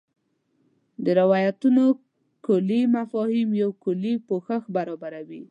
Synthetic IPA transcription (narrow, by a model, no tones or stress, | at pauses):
d̪əɾɪwɔjat̪uno | kʊlimafɔhimjawkʊlipoxaxbaɾɑbaɾawi